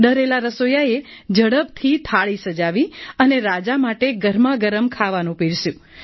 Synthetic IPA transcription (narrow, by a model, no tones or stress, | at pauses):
ɖ̪əɾelaɾəsojaed͡ʒəɽəb̚t̪ʰit̪ʰaɭisəd͡ʒaʋiəneɾad͡ʒamaʈeɡəɾmaɡəɾəmkʰaʋanũpiɽsjũ